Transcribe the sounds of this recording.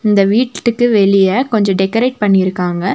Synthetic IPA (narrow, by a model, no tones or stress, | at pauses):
ɪnd̪ɐʋiːʈːɯkːɯʋɛɭɪjɐkɔɲd͡ʒɔ̃ɖɛkːɐɾeːʈ̚pɐɳːɪɪɾɯkːaːŋɡɐ